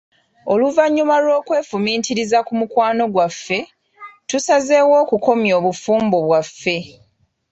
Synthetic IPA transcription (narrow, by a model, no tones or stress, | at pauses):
o̞luvaɲːumalo̞ːkwe̞ːfumiːtiɾizakumukwaːno̞ɡwafːe̞ | tusaze̞ːwo̞ːkuko̞mjo̞ːβufuːmbo̞βwafːe̞